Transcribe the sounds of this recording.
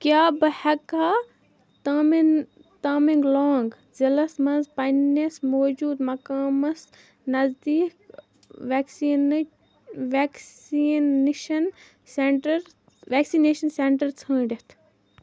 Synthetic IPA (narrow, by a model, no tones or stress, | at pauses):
kjaːbɨhɐkaː | t̪ɐm | t̪aːmiŋɡloːŋɡ | zɐlɐsmɐnzpɐnɐsmoːd͡ʒuːd̪mɐkaːmɐs | nɐzd̪iːk | ʋeːksiːn | ʋeksinʃɐn | seɳʈɐɾ | ʋeːksineːʃɐnseɳʈɐɾt͡sʰə̃ːɖʲit̪ʰ